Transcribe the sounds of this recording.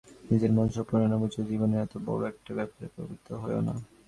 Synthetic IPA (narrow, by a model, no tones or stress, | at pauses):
nid͡ʑeɾmɔnʃopɾonanabut͡ɕod͡ʑiboneɾɛt̪obɔ̰ɾoɛk̚ʈabɛpaɾḛpɾo̰bit̪ːoɦɔeo̰na̰